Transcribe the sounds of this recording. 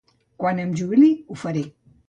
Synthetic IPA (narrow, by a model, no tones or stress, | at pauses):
kwanəmʒuβiliufəɾe